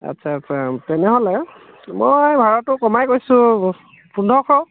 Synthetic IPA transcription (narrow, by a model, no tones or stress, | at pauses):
a̰tsʰaːtsʰatɛnɛɦolɛ | mojbʱaɹatʊkɔmajkojsʊ̃ | pundʱɔkʰɔ